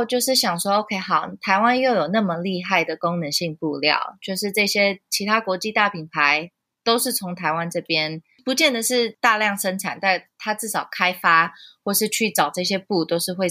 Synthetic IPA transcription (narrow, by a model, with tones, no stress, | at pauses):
t͡ɕjo˥˧ʂɻ̩˥˩ɕjɑ˨˩ŋʂwɔ˥o˧˥ʊkʰe˧˥ɪxɑ˨˩ʊt̪ʰa˧˥ɪwa˥˦njo˥˩ʊjo˨˩ʊna˥˩mə˩li˥˧xa˥˩ɪd̪ə˩kʊ˥ŋnə˨˧˦nɕi˥˧ŋpu˥˧ljɑ̰˥˨˩ʊt͡ɕʰjo˥˧ʊʂɻ̩˥˧ʈ͡ʂɤ˥˩ɕjɛ˥t͡ɕʰi˧˥t̪ʰa˥kwɔ˧˥t͡ɕi˥˧t̪a˥˩pʰi˨˩npʰa˧˦ɪ | t̪o˥ʊʂɻ̩˥˩t͡sʰʊ˧˥ŋt̪ʰa˧˥ɪwa˦nʈ͡ʂɤ˥˩pjɛ˦˥n | pu˧˦t͡ɕjɛ˥˩nd̪ə˩ʂɻ̩˥˩˧t̪a˥˧ljɑ˥˩ŋʂə˥nʈ͡ʂʰa˨˩˦nt̪a˥˩t̪ʰa˥t͡sɹ̩˥˩ʂɑ˨˩ʊkʰa˥ɪfa˥xwɔ˥˧˩ʂɻ̩˥˧t͡ɕʰy˥˩ʈ͡ʂɑ˨˩ʊʈ͡ʂɤ˥˩ɕjɛ˥pu˥˩t̪o˥ʊʂɻ̩˥˧xwe˥˧ɪ